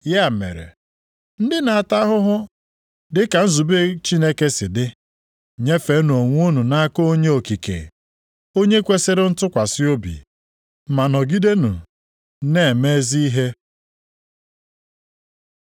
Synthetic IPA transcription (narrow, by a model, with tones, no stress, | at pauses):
ja˦˨mḛ˨ɾḛ˨ | n̩˦dɪ˦na˨a˨ta˦ɦʊ˦ɦʊ˦ | dɪ˦ka˨n̩˦zu˨be˦t͡ʃi˦ne˦ke˦sɪ˨dɪ˦ | ɲe˦fe˨˦nu˨o˨ŋʷ˦u˦nu˨na˦ko˦o˦ɲe˦o˨ki˨kḛ˨ | o˦ɲe˦kʷe˦se˦ɾe˦n̩˦tʊ˦kʷa˨sɪ˦o˦bḭ˨ | ma˨nɔ˨ɡi˦de˦nṵ˨ | ne˦˨me˦zi˦i˦ɦe˦